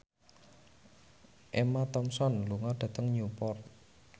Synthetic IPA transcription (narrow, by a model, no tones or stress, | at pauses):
ʔemat̪ɔmsɔnluŋɔɖ̥ä̤t̪əŋɲupɔrt̪̚